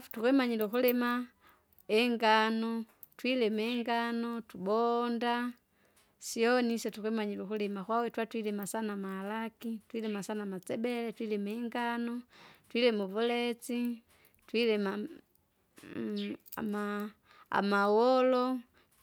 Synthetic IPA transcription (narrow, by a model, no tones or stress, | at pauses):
fu̥tukwɛmaɲilukulɛma | ɛŋɡanɔ | twilɛmɛŋɡanɔtubɔnda | siɔnisɛtukɛmaɲilukulɛmakwawɛtwatwilɛmasanamaalakitwilɛmasanamat͡sɛbɛlɛtwilɛmaɛŋɡanɔtwilɛmuvulɛt͡si | twilɛma | ma | a̰mawɔlɔ